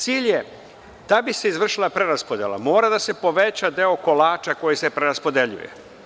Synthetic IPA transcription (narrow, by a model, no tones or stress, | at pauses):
t̪siːʎje | d̪̥abise̞izʋr̩ʃilˠapɾeɾaspo̞d̪ḛla̰mo̞ːɾad̪ase̞po̞ʋet͡ɕad̪e̞o̞ko̞laːt͡ʃako̞jise̞pɾeɾaspo̞d̪eʎṵjḛ